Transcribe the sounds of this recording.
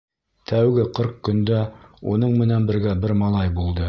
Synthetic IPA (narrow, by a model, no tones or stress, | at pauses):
t̪ʰæwɡɘqɤɾq̚kɵ̆nd̪æunɤɴmɘ̆nænbɘ̆ɾɡæbɘɾmɑlˠɑjbulˠd̪ɤ